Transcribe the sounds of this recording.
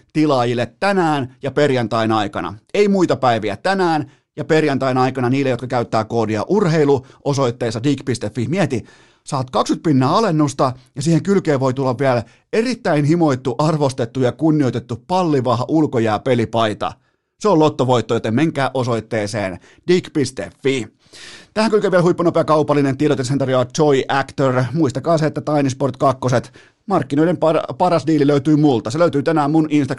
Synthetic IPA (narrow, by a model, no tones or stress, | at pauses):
t̪ilɑjilːet̪ːænæːnjɑperjɑnt̪ɑinɑikɑ̰nɑ̰eimuit̪ɑpæiʋiæ̰t̪ænæːn | jɑperjɑnt̪ɑinɑikɑnɑniːlːejot̪kɑkæyt̪ːæːkoːdiɑ̰ʔurheiluʔosoit̪ːeːsːɑdiːkpist̪efːihmiet̪i | sɑːt̪kɑksyt̪̚pinːæːɑlenːust̪ɑjɑsiːheŋkylkeːʋʋo̞it̪ulːɑʋʋiæl | erit̪ːæinɦimo̞it̪ːuʔɑrʋost̪et̪ːujɑkunːijo̞it̪et̪ːupɑlːiʋɑhɑʔulkojɑːpelipɑit̪ɑ̰ | seolot̪ːoʋo̞it̪ːojot̪emeŋkæːʔoso̞it̪ːeːsḛːn | d̥ikpist̪ḛfːi | t̪æhæŋkylkeʋiælhuipːɑnopeɑkɑupɑlːinent̪ieɾot̪jɑsent̪ɑrjoʋɑt̪t͡ʃoiʔækt̪ørmuist̪ɑkɑːseet̪ːæt̪ɑinisport̪kɑkːoset̪ | mɑrkːinoinempɑpɑrɑsdiːliløyt̪yːmult̪ɑseløyt̪yːt̪ænæːmmunʔinst̪ɑ